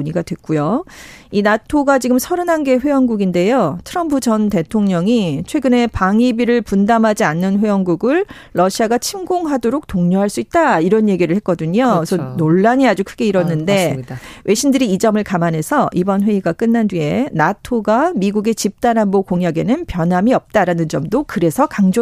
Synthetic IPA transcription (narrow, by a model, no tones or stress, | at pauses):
ɲiɡadwe̞k̚k͈ujoinatʰoɡat͡ɕiɡɯmsʰʌɾɯnanɡe̞ɸwe̞jʌŋɡuɡinde̞jotʰɯɾʌmpʰud͡ʑʌnte̞tʰoŋɲʌŋit͡ɕʰwe̞ɡɯne̞paŋibiɾɯɭpundamɦad͡ʑianːɯnɸe̞jʌŋɡuɡɯɭː | ʌɕʰiaɡat͡ɕʰimɡoŋɦadoɾok̚toŋɲoɦaɭs͈uit̚t͈aiɾʌnje̞ɡiɾɯɭhe̞t̚k͈ʌdɯɲosʰʌnoɭːaɲiad͡ʑukʰɯɡeiɾʌnːɯnde̞wʔe̞ɕʰimdɯɾiːd͡ʑʌmɯɭkamanɦe̞sʰʌʔibʌnɸwe̞iɡak͈ɯnːandɥie̞natʰoɡamiɡuɡe̞t͡ɕip̚t͈anɦanbokoŋjaɡe̞nɯnpjʌnɦamiʌp̚t͈aɾanɯnd͡ʑʌmdokɯɾe̞sʰʌkaŋd͡ʑo